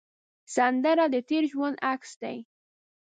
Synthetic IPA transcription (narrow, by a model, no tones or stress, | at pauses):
sand̪aɾad̪ət̪eɾʒwand̪aksd̪a̰j